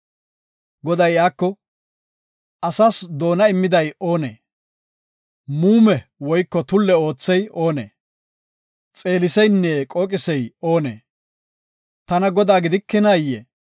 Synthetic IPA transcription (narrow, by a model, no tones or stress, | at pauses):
ɡɔd̪ɐjjaːkːɔ | ʔɐsasd̪o̞ːnɐɪmːɪd̪ɐjo̞ːnḛː | muːmɛwɔjkːɔt̪ʊlːɛo̞ːt͡sːɛjo̞ːnḛː | t͡sʼe̞ːlɪsɛjnːekʼoːkʼɪsɛjo̞ːnḛː | t̪ɐnɐɡɔd̪aːɡɪd̪ɪkːɛnajːḛː